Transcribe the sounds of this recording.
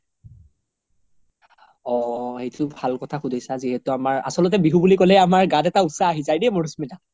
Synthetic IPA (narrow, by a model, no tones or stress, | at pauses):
ɔhejtubʱalkɔtʰaxudʱijsaziɦɛtʊamaɹa̰sɔlɔt̬ɛbiɦubulikolɛamaɹɡadɛtausaːɦizajdimoɹusmida